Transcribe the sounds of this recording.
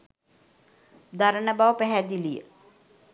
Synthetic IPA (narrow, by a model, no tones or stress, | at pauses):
d̪aɾənəbaʋəpæɦæd̪ilijə̰